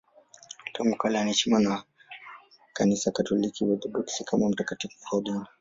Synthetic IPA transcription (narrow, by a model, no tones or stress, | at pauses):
tɔmukalanit͡ʃimanwa | kanisakatɔlikʰiwɛd̪ɔɗuksikʰamam̩takatifu̥hɔdin